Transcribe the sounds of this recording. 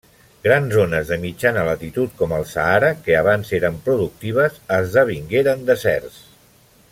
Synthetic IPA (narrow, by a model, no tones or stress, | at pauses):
ɡɾanzonəzðəmid͡ʒanəlat̪it̪ut̪̚kɔməlˠsa̰aɾəkəaβ̞anzeɾəmpɾuðuk̚t̪iβ̞əzəzðəβ̞iŋɡeɾənd̪əsɛ̰rs